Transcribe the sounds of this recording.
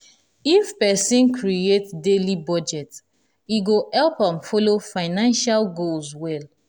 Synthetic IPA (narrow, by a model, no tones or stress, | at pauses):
ifpɛsĩnkɹietdelibɔd͡ʒɛt | iɡohɛlpãmfɔlofaɪnãnʃalɡolswɛl